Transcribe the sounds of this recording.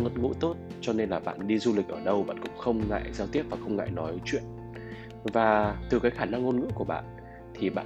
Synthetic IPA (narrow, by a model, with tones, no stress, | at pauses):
ŋə˨˦˥t̚ŋṵ˧˥t̪o˦˥t̚t͡ɕɔ˧ne˧nlaː˨˩ɓa̰ː˧˨nɗi˧zu˧li˨˩k̚ʔəː˧˩ɗə˧wɓa̰ː˧˨nkʊ̰˧˥ŋ͡mxə˧wŋ͡mŋa̰ː˧˨jzaː˧wt̪i˦˥əp̚vaː˨˩xə˧wŋ͡mŋa̰ː˧˨jnɔ˨˦jt͡ɕwḭ˧˨ən | vaː˨˩t̪ɨ˨˩kaː˨˦jxaː˧˩na˧ŋo˧nŋɨ̰˧˥əku˧˩əɓa̰ː˧˨n | t̪ʰi˨˩ɓa̰ː˧˨